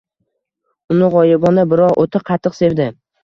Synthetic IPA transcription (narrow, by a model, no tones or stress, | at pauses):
ʊnɪʁɒjɪbɒnabɪɾɒʁʔot̪ʰɪqʰɑt̪ʰːɨqse̞vd̪ɪ